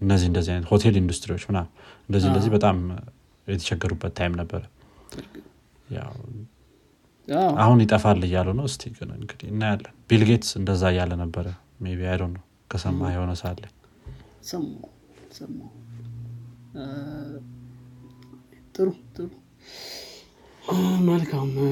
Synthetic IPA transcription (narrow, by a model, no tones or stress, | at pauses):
ɨnːəzːihɨnd̪əzːihanət̪ho̞t̪ʰe̞lind̪ust̪ʼɾiwo̞t͡ʃːmɨnaɨnd̪əzːihndəzːibət̪ʼam | jɛt̪ʰəʃɛɡːəɾubːət̪ʰːajmnəbːəɾə | ja̰w | aahunjɪt̪ʼəfalːəjːalːənəwɨst̪ʰikʼənə̰ɨŋɡɨd̪iɨnːajalːəbilɡe̞t̪sɨnd̪əzːajalːənəbːəɾə | meβiajdonəw | kʰəsəmːahehonəsalːəɲ | səmːa | səmːa | t̪ʼɨɾut̪ʼɨɾu | məlkʰam